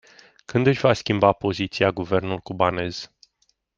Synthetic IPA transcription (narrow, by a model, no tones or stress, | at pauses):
kɨnd̪ɨʃʲvaskʲimbapo̞zit̪siaɡuve̞rnulkubane̞z̥